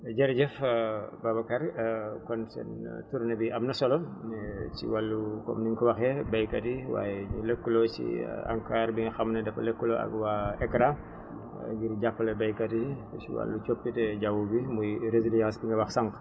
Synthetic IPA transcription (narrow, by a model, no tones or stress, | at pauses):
ɟɛɾɟɛfbabakaɾkɔnsɛ̰ntuɾnɐbiʔɐmnɐsɔlonɛt͡ʃḭwalːukɔ̰mniŋkuwɐxɛbɐjkɐtiwa̰ːjɛɲuləkːulot͡ʃḭa̰ŋkaɾbiŋɡɐxɐmnɐdɐfɐlekːuloʔɐ̰ɡwaɛkɾa̰ | ɡiɾɟapːɐlɐbɐjkɐtiɛsḭwa̰lːut͡ʃopːitɛɟawubimujɾeziljɐxɐsbiŋɡɐwɐxsaŋk